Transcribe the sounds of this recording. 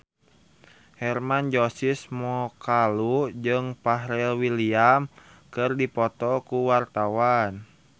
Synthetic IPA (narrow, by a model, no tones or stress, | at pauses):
hɛrmand͡ʒosismɔkalud͡ʒɨŋpaɦɾɛlwiliam | kɨrdipɔt̪ɔkuwart̪awan